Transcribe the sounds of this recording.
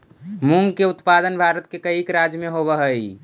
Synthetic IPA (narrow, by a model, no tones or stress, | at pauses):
muŋɡkeut̪pad̪ənbʱaɾət̪̚kekəikɾad͡ʒjəmẽɦoβəɦəi